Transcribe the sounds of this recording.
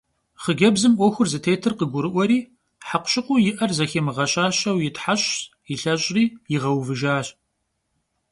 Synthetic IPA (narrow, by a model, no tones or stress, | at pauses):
χəɡʲɐbzɨmʔʷɔxʷʊrzɨtʰeːtʰɨrqəɡʷʊɾɨʔʷɔɾiː | ħaqʷɕɪqʷʊjɪʔɐrzɐxeːmɨʁɐɕaːɕɐwjɪtħaɕ | jɪɬɐɕʼriːjɪʁɐwvɨʒaːɕ